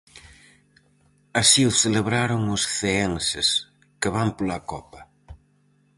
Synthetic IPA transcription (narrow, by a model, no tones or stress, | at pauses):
asiʊθeleβɾaɾʊŋʊsθeensɪs | kɪβampolakɔpɐ